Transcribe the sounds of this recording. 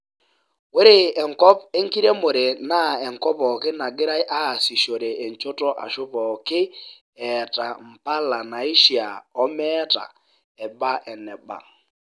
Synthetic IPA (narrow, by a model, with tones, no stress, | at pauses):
we˦ɾɪ˦ɛ˨ŋ̩˨kɔ˦pe˦ŋ˦ki˦ɾe˦mʊ˨ɾe˨na˦˨ɛ˨ŋ˨kɔ˦pɔ˨kɪ˦na˨ɡɪ˦ɾa˦ɪ˦ʔa˦˨si˨ʃo˨ɾe˨ʔe˨ɲ˨t͡ʃo˦tɔ˦ʔa̰˨ʃʊ˦pɔ˨kɪ˦ | ɛ˨ta˨m̩˨pa˦la˨na˨i˦ʃi˨a̰˨ɔ˦mɛ˦ta̰˨ | ɛ˨ba˦ʔɛ˨nɛ˨ba̰˨